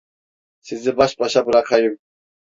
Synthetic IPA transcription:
sizibaʃpʼaʃabuɾakʰajum

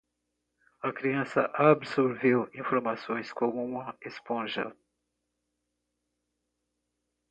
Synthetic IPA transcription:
ɐkɾiɐ̃sɐ̰ʔabɪsoɾvewĩfoɾmasõj̃skõmʊũmɐespõʒɐ̰

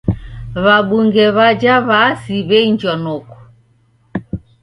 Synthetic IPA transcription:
βaɓuŋɡɛβad͡ʒaβasiβɛiɲd͡ʒɔnɔku̥

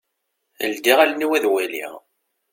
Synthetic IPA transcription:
ə̰ld̪iʁælniwæðwælḭʁ

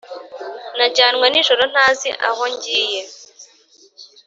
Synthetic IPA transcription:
naɟaːnŋwaniːʒoɾon̥haːzḭʔa̰hoɲɟiːje

